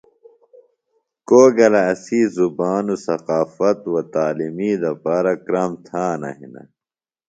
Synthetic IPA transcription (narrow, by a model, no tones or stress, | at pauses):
koːɡɐlɐɐsiːzubaːnusɐqaːfɐt̪wɐt̪aːlimiːd̪ɐpaːɾɐkɾaːmt̪ʰaːnɐ̰ɦḭnɐ̰